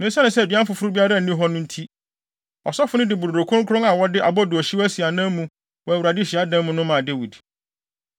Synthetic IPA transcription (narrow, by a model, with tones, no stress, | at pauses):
nã˦sɛ˦nʊ̃˨˦sɛ˦˨di˨˦ã˦m̩˦fʊ˨fʊ˦ɾʊ˦bi˦a˦ɾa˦n̩˨nĩ˦ɦɔ˦nʊ̃˦n̩˦tʰi˦ | ɔ̰˨sɔ˦fʊ˦nʊ̃˦dɪ˨bu˨ɾo˨ɾo˨kʰʊ̃˦ŋ˦kʰʊ˦ɾʊ̃˦ŋa˨wɔ˦dɪ˦ʔa˨bɔ˦dɪ˨ɔ˨ɕi˦æ˦si˨a˨nã˦mũ˦ | wɔ˨æ˨wu˨ɾa˨dɪ˦ɕi˨a˦dã˦mʊ̃˦nʊ̃˦mã˨de˦wi˨d